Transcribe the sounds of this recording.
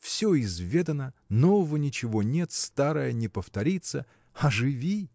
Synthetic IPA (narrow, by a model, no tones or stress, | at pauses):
fsʲoɪzvʲe̞d̪ənənovəvənʲɪt͡ɕɪvonʲet̪st̪aɾəjənʲɪpəft̪ɐɾʲit̪sə | ɐʐɨvʲi